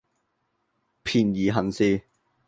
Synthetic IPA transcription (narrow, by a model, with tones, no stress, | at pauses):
pʰiː˨njiː˨˩ɦɐ˨nsiː˧